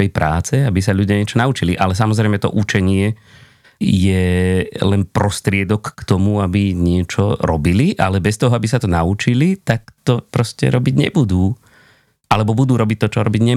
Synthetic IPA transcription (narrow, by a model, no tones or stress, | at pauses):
ɛjpɾaːt͡sɛabisaʎuɟɪaɲɪɛt͡ʃɔnaut͡ʃiliʔalɛs̬amɔzɾɛɪmɛt̪ɔ̰ʔut͡ʃɛɲɪɛ | jɛlɛnpɾɔst̪ɾɪɛd̪ɔkːt̪ɔmuabiɲɪɛt͡ʃɔɾɔbiliʔa̰lɛbɛst̪ɔɦɔabisat̪ɔnaut͡ʃilit̪ak̚t̪ɔpɾɔscɛ̰ɾɔbiɟɲɛ̰bud̪uː | ʔalɛbɔbud̪uːɾɔbic̚t̪ːɔt͡ʃɔɾɔbiɟɲɛ